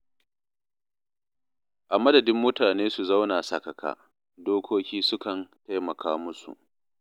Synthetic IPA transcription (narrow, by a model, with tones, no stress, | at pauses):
ʔa˨mɐ˦dɐ˨dɪ˦mːʊ˦taː˨neː˦su˨za˦wnaː˨sɐ˨kɐ˨kʰa̰ː˦˨ | doː˦kʷoː˦kʲiː˦sʊ˦kɐ˨nta˦jmɐ˨kʰaː˦mʊ˦sṵ˨ʔ